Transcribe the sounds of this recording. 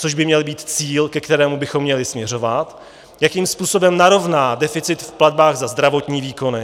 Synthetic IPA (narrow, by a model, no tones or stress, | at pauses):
t͡so̞ʒbɪmɲɛlbiːt̪t͡siːlkɛkt̪ɛɾɛːmubɪxo̞mːɲɛlɪsmɲɛr̝o̞vat̪ | jakiːmspuːso̞bɛmnaɾo̞vnaːdɛfɪt͡sɪt̪fplad̚baːɣzazd̪ɾavo̞t̪ɲiːviːko̞nɪ